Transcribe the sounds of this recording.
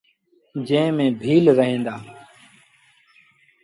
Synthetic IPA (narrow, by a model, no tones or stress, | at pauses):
d͡ʒẽːmẽːbʱiːlɾəɦẽːnd̪aː